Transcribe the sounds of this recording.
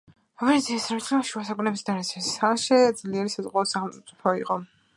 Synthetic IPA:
ɔvinʰiasɾɛmit̪ʰlɛaʃuasakʼunɛbisd̪aɾt̪sʰisaʃɛd̪zliɛɾisazʁʼwaɔsaχɛlˠt̪t̪sʼipʰɔiqʼɔ

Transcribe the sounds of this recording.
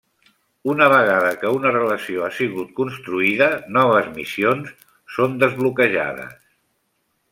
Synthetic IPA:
unəβ̞əɣ̞aðəkəunərələsioasiɣut̪̚kunst̪ɾuiðənɔβ̞əzmḭsionsː | ond̪əzβlukəʒa̰ðə̰s

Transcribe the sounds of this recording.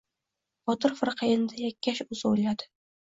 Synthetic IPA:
bɒt̪ɨɾfɪɾqʰɑjɪnd̪ajakʲʰːaʃʊzojlad̪ɪ̥

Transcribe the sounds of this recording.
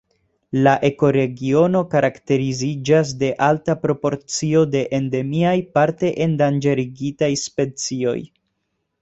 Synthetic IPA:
laʔe̞ko̞ɾe̞ɡio̞no̞kaɾakte̞ɾizid͡ʒas̬de̞ʔaltapɾo̞po̞ɾt͡sio̞de̞ʔende̞miajpaɾte̞ʔendand͡ʒe̞ɾiɡitajspe̞t͡sio̞̰j

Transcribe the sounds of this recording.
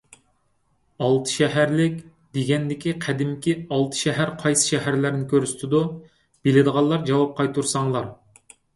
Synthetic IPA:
ɑlˠt̪ʰɨ̥ʃɛɦæɾlɪkʲ | d̪̥eɡʲɛnd̪ɪkʲiqʰæd̪ɪmkʲiɑlˠt̪ʰɨ̥ʃɛɦæɾqʰɑjsɨ̥ʃɛɦæɾlæɾnɪkʲʰøɾst̪ʰɪd̪u | b̥elɪd̪əʁɑlˠːɑɾd͡ʒɑwɑp̚qʰɑjt̪ʰuɾsɑŋlˠɑɾ

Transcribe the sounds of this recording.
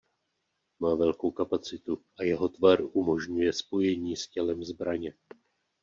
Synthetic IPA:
maːvɛlko̞wkapat͡sɪt̪uʔajɛɦo̞t̪vaɾumo̞ʒɲujɛspo̞jɛɲiːscɛlɛmzbɾaɲɛ

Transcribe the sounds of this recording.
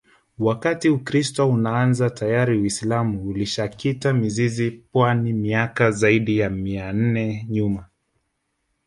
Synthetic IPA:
wakatiukɾistɔunaanzatʰajaɾiwislamuːliʃakitamizizipwanimiakazaiɗijamian̩nɛɲuma

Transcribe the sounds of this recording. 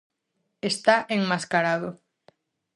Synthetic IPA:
est̪aʔeŋmaskaɾað̞o

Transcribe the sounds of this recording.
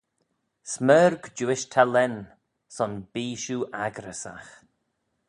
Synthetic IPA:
smɛːɾɡd͡ʒuːɪʃt̪ʰalɛn | sɔnbiːʃuːʔaɡɾəsa̰x

